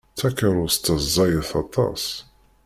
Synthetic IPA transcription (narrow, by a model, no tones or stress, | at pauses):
θækːəɾˤʊst̪ːəzˤɑjəθɑt̪ˤɑ̰s